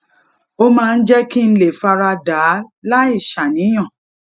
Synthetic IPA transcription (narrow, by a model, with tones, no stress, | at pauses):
o˦mãː˦˧n̩˦d͡ʒɛ˦ki˦n̩˦le˨fa˧ɾa˧daː˨˦la˦i˦˨ʃa˨nĩ˨˦j̃ã˦˨